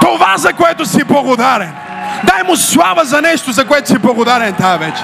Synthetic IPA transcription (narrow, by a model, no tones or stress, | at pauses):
t̪ovazɐkʊɛt̪ʊsiblˠɐɡʊd̪aɾɛn | d̪ajmʊslˠavɐzɐnɛʃt̪ʊzɐkʊɛt̪ʊ̥siblˠɐɡʊd̪aɾɛnt̪avɛt͡ʃɛ̥